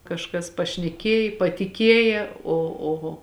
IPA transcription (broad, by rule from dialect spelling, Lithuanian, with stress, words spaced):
kɐʃˈkɐs pɐʃʲnʲɛˈkʲeːj pɐtʲɪˈkʲeːjɛ oː oː